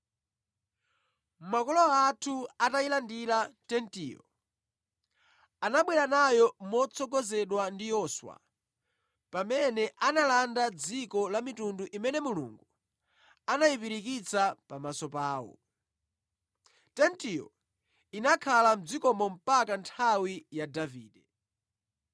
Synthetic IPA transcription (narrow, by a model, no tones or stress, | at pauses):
m̩makɔlɔatʰuatailandilatɛntiɔ̰ | anaɓwɛɾanajɔmɔt͡sʰɔɡɔzɛɗwandijɔːswa̰ | pamɛnɛʔanalandad͡zikɔlamitunduʔimɛnɛmulṵŋɡu | anajipiɾikit͡sʰapamasɔpaːwɔ̰ | tɛntiɔ̰ | inakʰalam̩d͡zikɔmɔm̩pakantʰawijadaviːɗɛ